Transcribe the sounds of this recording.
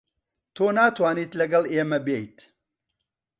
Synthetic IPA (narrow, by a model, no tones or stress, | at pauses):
t̪ʰoːnaːt̪ʰwaːniːt̪lɐɡɐlˠeːmɐbejt̪